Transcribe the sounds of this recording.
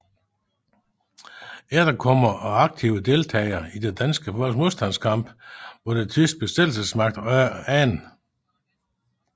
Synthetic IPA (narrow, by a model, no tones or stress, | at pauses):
ed̥ɐkʰɒ̽m̰ɐʔɒɑ̈ɡ̥̚t͡sʰiʊəd̥e̝lt͡sʰɛ̰ːɪɐid̥ed̥ænsɡ̥əfɒl̰moðˠsd̥æn̰skʰɑ̈m̰b̥ʋɒd̥et͡sʰysd̥̚b̥e̝sed̥l̩səsmɑ̈ɡ̥̚d̥æn